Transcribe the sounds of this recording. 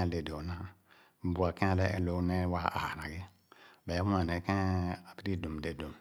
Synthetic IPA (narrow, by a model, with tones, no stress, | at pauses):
le˨do˨nã˦˨ | bu˨a˨kɛ̃˦˨lɛ˦ʔɛ˨lo˨˦nɛ˦wa˦˨ʔa̰˨ɾa˨ɡi˦˨ | bɛ˨˦wu˦ã˨nɛ˨kɛ̃˦a˨pi˦ɾi˦do˨m˨de˨do˨m